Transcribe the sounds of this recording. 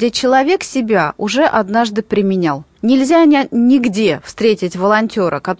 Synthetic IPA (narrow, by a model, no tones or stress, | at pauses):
et͡ɕɪlˠɐvʲe̞ksʲɪbʲaʊʐɛʔɐd̪naʐd̪ɨpɾʲɪmʲɪnʲalˠ | nʲɪlʲzʲanʲɪɡdʲe̞fst̪ɾʲetʲɪtʲvəlˠɐnʲtʲo̞ɾʔəkɐt̪